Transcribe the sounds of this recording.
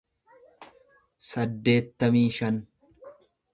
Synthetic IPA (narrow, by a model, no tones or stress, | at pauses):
sɐd̪ːe̞ːt̪ːɐmiːʃɐn